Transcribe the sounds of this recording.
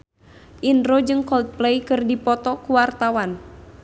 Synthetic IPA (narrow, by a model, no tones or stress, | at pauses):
ʔinɾod͡ʒɨŋkɔlt̪̚plejkɨrdipɔt̪ɔkuwart̪awan